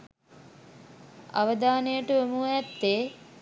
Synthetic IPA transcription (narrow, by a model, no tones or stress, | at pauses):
a̰ʋəd̪aːnejəʈəomuæt̪ːeː